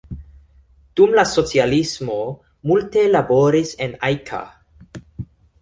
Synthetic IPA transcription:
d̥umlaso̞t͡sialismo̞ | multe̞labo̞ɾise̞najkʰa̰

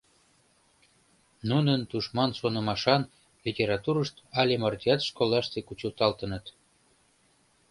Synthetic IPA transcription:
nunənt̪uʃmɑnsonə̆mɑʃɑn | lʲitʲeɾɑt̪uɾəʃt̪ɑlʲemɑrt̪ʲiɑt̪ʃkolˠɑʃt̪ekut͡ɕəlt̪ɑlt̪ənət̪

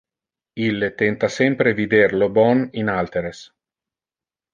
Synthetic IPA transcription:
ilːet̪ɛnt̪asɛmpɾevid̪erlobɔninalt̪eɾes

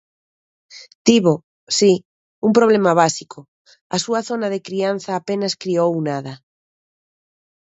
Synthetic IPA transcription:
t̪iβo | si | umpɾoβ̞lemaβ̞asikʰo | ɐsuaθonaðekɾian̟θaːpenaskɾiowunaðɐ

